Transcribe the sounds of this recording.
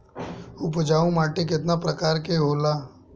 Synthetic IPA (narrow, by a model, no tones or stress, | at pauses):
ʊpd͡ʒaːũmaːʈek̬ɪt̪napɾəkaːɾkeɦoːlaː